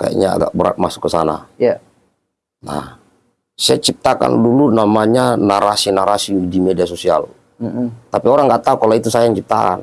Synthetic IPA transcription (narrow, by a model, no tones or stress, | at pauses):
ka̰ja̰ɲaa̰ɡa̰k̚bəɾa̰t̪̚masʊ̥kːəsana̰a | na̰h | sajat͡ʃip̚t̪aka̰ndulunamaɲanaɾasinaɾasidimɛdiasɔsia̰l | t̪apiɔɾaŋɡaʔt̪aukalɔit̪usajaɲt͡ʃip̚t̪aka̰n